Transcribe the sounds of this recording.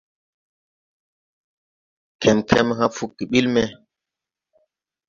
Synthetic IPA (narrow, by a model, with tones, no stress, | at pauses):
kʰɛ˨mkʰɛ˦m˦ha˦fu˦kːi˨ɓi˦lmɛ˦